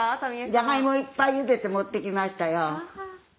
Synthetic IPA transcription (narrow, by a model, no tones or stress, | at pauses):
d͡ʒaŋaimoipajud̪et̪ːemot̪ːekimast̪ajɔ